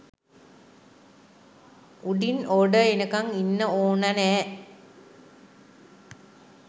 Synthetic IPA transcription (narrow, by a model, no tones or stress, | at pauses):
uɖinoːɖəenəkaŋinːəoːnanɛː